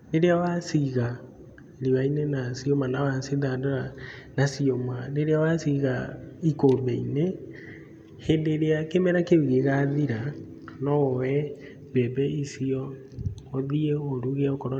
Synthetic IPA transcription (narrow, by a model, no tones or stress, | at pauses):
neɾeawasiɣa | ɾiwainenasiomanawasiðadoanasiomaneɾeawasiɣaikobɛine | hendeɾeakemɛɾakeuɣeɣaðiɾa | nɔɔwɛ | bɛbɛisiɔ | oðieoɾuɣeaokɔɾɔ